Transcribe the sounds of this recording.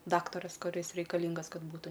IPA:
ˈdɑːktɐrɐs kʊˈrʲɪs rʲɛɪkɐˈlʲɪŋɡɐs ˈkɐt ˈbuːtʊ

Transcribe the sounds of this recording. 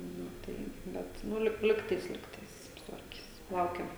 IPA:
ˈnʊ ˈtɐɪ ˈbʲɛt ˈnʊ lʲɪk ˈlʲɪktɐɪs ˈlʲɪktɐɪs sʊtʋɐrʲˈkʲɪs ˈlˠɐʊkʲɛm

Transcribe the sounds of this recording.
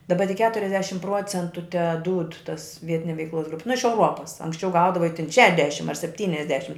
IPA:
dɐˈbɐ tʲɪk ˈkʲæːtʊrʲɛzʲdʲɛʃʲɪm ˈpruɔt͡sʲɛntʊ tʲɛˈduːt tɐs ˈʋʲiɛtʲɪnʲɛ ʋʲɛɪkˈlˠoːs ˈɡrʊpʲɪ nʊ ɪʃ ɛʊˈruɔpɐs ɐŋksʲˈt͡ʃʲɛʊ ˈɡɐʊdɐʋɐɪ tʲɪn ˈʃʲæːdʲɛʃʲɪm ɐr sʲɛpʲˈtʲiːnʲɛzʲdʲɛʃʲɪm

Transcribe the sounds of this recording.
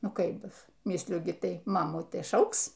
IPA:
ˈnʊ ˈkɐɪp ˈbʊs ˈmʲɪsʲlʲʊ ɡʲɪ ˈtɐɪ ˈmɑːmuː ˈtɐɪ ˈʃɐʊks

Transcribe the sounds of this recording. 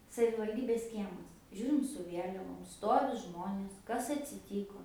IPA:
sɐʋʲɪʋɐlʲˈdʲiːbʲeːs ˈkʲiɛmɐs ˈʒʲuːrʲɪm sʊ ˈʋʲiɛlʲɛʋoːm ˈstoːʋʲɪ ˈʒmoːnʲeːs ˈkɐs ɐtʲsʲɪˈtʲiːkoː

